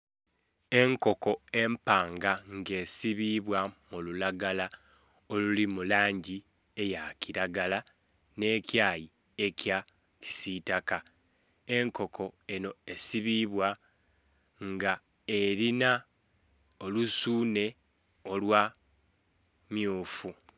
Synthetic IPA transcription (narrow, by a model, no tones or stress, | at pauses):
e̞ŋko̞ko̞e̞mpaːŋɡaŋɡe̞ːsiβiβwamululaɡala | olulimulaːɲɟi | e̞jaciɾaɡala | ne̞ːcjaːji | e̞cja | ci̥sitaka | e̞ŋko̞kʰo̞e̞no̞e̞siβiβwa | ŋɡa | e̞ɾina | olusuːne̞ | o̞lwa | mjuːfu